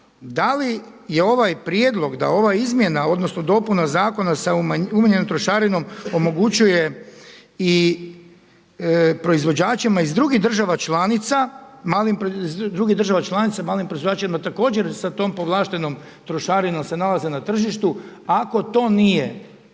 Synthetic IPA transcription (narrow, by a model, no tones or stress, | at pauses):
d̪ali | je̞o̞ʋajpɾjed̪lˠo̞ɡd̪a̰o̞ʋaizmje̞nao̞d̪no̞sno̞d̪o̞punazaːko̞nasamumaɲenomt̪ɾo̞ʃaɾino̞mo̞mo̞ɡut͡ɕuje | i | pɾo̞izʋo̞d͡ʑaːt͡ʃimaizd̪ɾuɡiɦd̪r̩ʒaʋat͡ʃlaːnit̪samaːlimpɾozd̪ɾuɡid̪ɾr̩ʒaʋat͡ʃlˠaːnit̪samaːlimpɾoizʋod͡ʒaːt͡ʃemat̪ako̞ːd͡ʑe̞ɾsat̪o̞ːmpo̞ʋlˠaːʃt̪e̞no̞m | t̪ɾoʃaːɾino̞mse̞nalazenat̪r̩ʒiʃt̪uako̞t̪o̞ːnijḛ